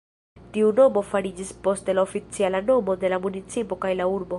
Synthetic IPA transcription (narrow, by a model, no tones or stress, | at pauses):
tiuno̞mo̞faɾid͡ʒispo̞stelaofit͡sialano̞mo̞de̞lamunit͡sipo̞kajlauɾbo̞